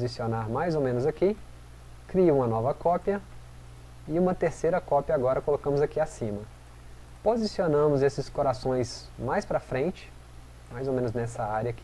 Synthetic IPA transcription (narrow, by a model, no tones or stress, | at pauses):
zisionaɾmajzowmẽnʊzaki | kɾiũmɐnɔvɐkʰɔpjɐ | ɪũmɐt̪eɾsejɾɐkɔpjɐaɡɔɾɐkolokɐ̃mʊzakiasĩmɐ | pozisionɐ̃mʊzesɪskoɾasõj̃s | majspɾɐfɾẽnt͡ʃɪ̥ | majzowmẽnʊznɛsɐaɾjɐk